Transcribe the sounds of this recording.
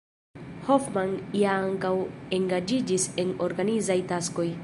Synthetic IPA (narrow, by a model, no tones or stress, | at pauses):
hofmanijaaŋkawe̞ŋɡad͡ʒid͡ʒise̞no̞ɾɡanizajtasko̞j